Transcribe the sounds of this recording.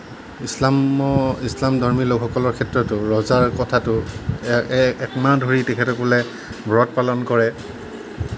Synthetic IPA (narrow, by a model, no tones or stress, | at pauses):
is | islamdʱɔɹmilokʰxɔkɔlɔɹkʰɛtɹɔtʊɹɔzaɹkɔtʰatʊ | ɛkmadʱoɹitɛkʰɛtɔkɔlɛ | bɹɔt̚palɔnkɔɹɛ